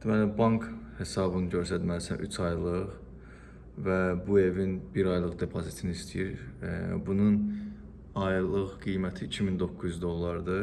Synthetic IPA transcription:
d̪̥imælibɑŋkʰhe̞sɑbɯnɯɟøɾsæd̪mælisæ̰nʔy̰t͡ʃʰɑjlˠɯʁ | væbue̞vinbiɾɑjlˠɯʁd̪e̞pʰozit̪ʰinist̪ʰijiɾ̰bunun | ɑjlˠɯʁɡijmæt̪ʰiːcʰimind̪o̞kʰːuzyzd̪o̞lˠːɑɾd̪ɯ

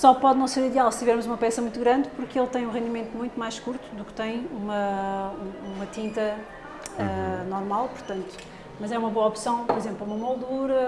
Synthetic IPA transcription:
sɔpɔðnɐ̃w̃seɾiðalˠsɨ̥t̪ivɛɾmuzumɐpɛsɐmũj̃t̪uɣɾɐ̃nd̪puɾkelˠt̪ɐ̃j̃ũʁẽnd̪imẽnt̪umũj̃t̪umajʃkuɾt̪u̥ðukt̪ɐ̃j̃umɐuumɐt̪ĩnt̪ɐ | ɛnɔɾmalˠpuɾt̪ɐ̃nt̪u̥ | mɐzɛumɐβoɐɔpsɐ̃w̃pɔɾizẽmplˠumɐmɔlˠd̪uɾɐ

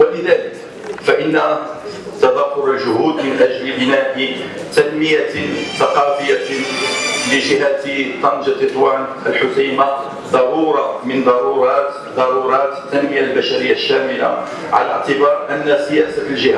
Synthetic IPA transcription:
walɪðaːlɪk | faʔɪnːa | t̪ɑd̪ˤɑːfʊɾalʒʊhuːd̪mɪnʔad͡ʒɾɪbɪnaːʔɪt̪anmɪjaθɑqɑːfɪjːa | lɪʒɪɦat̪t̪ˤɑnd͡ʒɑlʔɨt̪ˤwaːnʔəlħʊtiːma | d̪ˤɑɾuːɾˤɑmɪnd̪ˤɑɾˤuːɾˤɑːt̪ | d̪ˤɑɾuːɾˤɑːt̪t̪ːanmɪjalbaʃaɾɪjːaʃːaːmɪla̰ | ʕa̰laʕt̪ɪbɑːɾˤʔanːasɪjæːsald͡ʒɪhæː

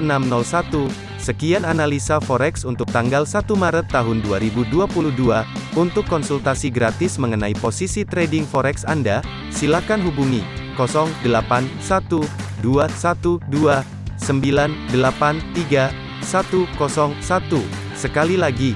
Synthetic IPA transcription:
ənamnɔlsat̪u | səkiananalisafɔɾɛksunt̪ʊk̚t̪aŋɡalsat̪umaɾət̪ːaɦʊnduaɾibuduapuluhduaunt̪ʊkːɔnsult̪asiɡɾat̪ɪsməŋənaiposisit̪ɾedɪŋfɔɾɛksanda | silahkanɦubuŋḭkɔsɔŋdəlapansat̪uduasat̪udua | səmbilandəlapant̪iɡa | sat̪ukɔsɔŋsat̪u | səkalilaɡi

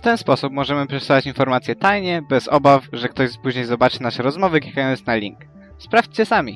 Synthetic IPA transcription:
ft̪ɛnspɔsupmɔʐɛmɘpʂɛsavat͡ɕinfɔɾmat̪sʲjɛt̪ajɲɛbɛzɔbafʐɛk̚t̪ɔʑpuʑɲejzɔbat͡ʂɘnaʂɛɾɔzmɔvɘkʲi̥kajɔnt̪snalʲḭŋk | spɾaft͡ɕt͡ɕɛsamʲi

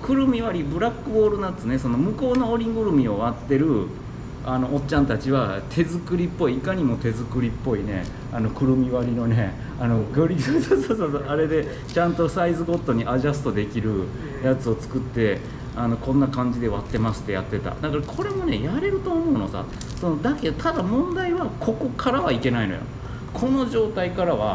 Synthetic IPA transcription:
kɯ̟ɾɯ̟mʲiβaɾʲibɯ̟ɾakːɯ̟bo̞ːɾɯ̟nat͡sɨne̞so̞no̞mɯ̟ko̞ːno̞oɾʲiɡɯ̟ɾɯ̟mʲio̞βat̪ːe̞ɾɯ̟ | ano̞ʔːt͡ɕːãnt̪at͡ɕiβat̪ʰe̞zɨkɯ̟ɾʲipːo̞iːkaɲ̟imo̞t̪e̞zɨkɯ̟ɾʲipːo̞ine̞̰ | ano̞kɯ̟ɾɯ̟mʲiβaɾʲino̞ne̞ | anoɡɯɾʲisoːsoːsoːsoʔaɾe̞d̪e̞ | t͡ɕãnt̪o̞saizɨɡo̞t̪ːo̞ɲ̟iʔaʑasɨ̥t̪o̞d̪e̞kʲiɾɯ̟ | jat͡sɨo̞t͡sɨ̥kɯ̟t̪ːe̞ | ano̞kõ̞nːakãɲ̟d͡ʑid̪e̞βat̪ːe̞masɨ̥t̪ːe̞ja̰t̪ːe̞t̪a̰d̪akaɾakʰo̞ɾe̞mo̞ne̞jaɾe̞ɾɯ̟t̪o̞ːmo̞ɯ̟no̞sa̰ | so̞nod̪ake̞d̪ot̪ad̪amõ̞nd̪aiβakʰo̞ko̞kʰaɾaβaike̞naino̞̰jo̰ | kʰo̞no̞ʑo̞ːt̪aikaɾaβa

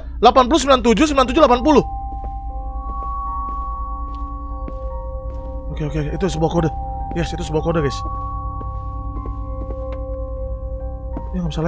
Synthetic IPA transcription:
lapanp̬ulusəmilant̪ud͡ʒus̬əmbilant̪ud͡ʒulapanp̬uluh | okeokeit̪us̬əbuakodajɛsit̪usəbuakodaɡas | jaŋamisala

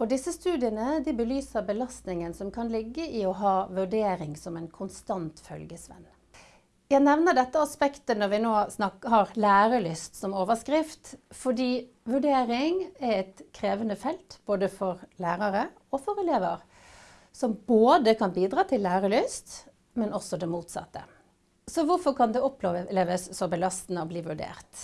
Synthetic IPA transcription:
ɔd̪ɪsːəst̪ʉːd̪ɪənəd̪ɪbəlyːsəɾbəlɑst̪nɪŋənsɔmkʰɑnlɪɡːəʔɪɔɦɑːʋʉɖeːɾɪŋsɔmɛɪnkʰʊnst̪ɑnt̪fœ̰lɡəsʋɛ̰n | jæɪnɛʋnəɖɛt̪ːəɑspɛkt̪ənɔɾʋɪnoːsnɑkːəɦɑɾlæːɾəlʏst̪sɔmoːʋəskɾɪft̪fɔɖiː | ʋʉɖeːɾɪŋæɾɛɪt̪kʰɾeːʋənəfɛlt̪b̥oːd̪əfɔɾlæːɾɑɾə | ɔfɔɾɛleːʋəɾ | sɔmboːd̪əkʰɑnbiːd̪ɾɑːt̪ʰɪlːæːɾəlyst̪ | mɛnɔsːɔd̪ɛmuːt̪sɑ̰t̪ːə̰ | sɔʋʊɾfɔkʰɑnd̪ɛɔpʰːleːleːʋəsːɔbəlɑst̪nəɔbliːʋʉɖḛːɾt̪

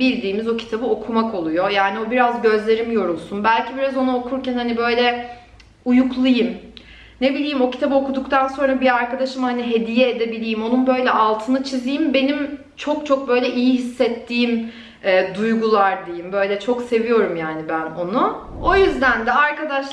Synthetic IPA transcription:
bilʲd̪iːmizocʰi̥t̪ʰabɯo̞kʰumako̞lˠujo̞jaːnio̞biɾazɟø̞zlʲe̞ɾimjo̞ɾulˠsunbælʲcʰibiɾazo̞nuokʰuɾcænhanibø̞jlʲɛ | ujuklˠajɯm | ne̞bilʲiːmo̞ci̥t̪ʰabɯo̞kud̪ukt̪ʰanso̞nɾabiaɾkad̪aʃɯmhaniɦe̞d̪ijɛːd̪e̞bilʲijmo̞nunbø̞jlʲɛʔalˠt̪ʰɯnɯt͡ʃʰizijimbe̞nim | t͡ʃʰo̞k̚t͡ʃʰo̞k̚bø̞jlʲɛʔijiɦisːɛt̪ʰːiːm | ɛːd̪ujɡulˠaɾd̪ejimbø̞ːjlʲɛt͡ʃʰo̞kse̞vijo̞ɾumjaːnibæno̞nuo̞jyzd̪ænd̪ɛaɾkad̪aʃ

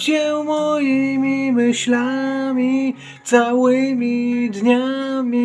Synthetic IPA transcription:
t͡ɕɛmɔjimʲimɘɕlamʲi | t̪sawɘmʲid̪ɲamʲi

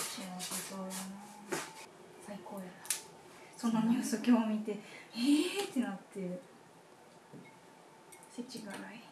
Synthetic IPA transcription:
ɕinat̪ot̪o | saikʰoːjaɾa | so̞noɲ̟ɨːsɨkʲoːmʲit̪e̞et̪ːe̞nat̪ːe̞ | set͡ɕiɡaɾai

